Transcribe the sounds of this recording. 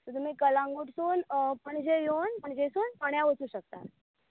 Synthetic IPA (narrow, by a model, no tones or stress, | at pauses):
t̪əɾt̪um̤iːkəlãŋɡuʈsuːnpəɳd͡ʑejonpəɳd͡ʑesuːnpəɳjaʋət͡suːɕək̚t̪a̰t̪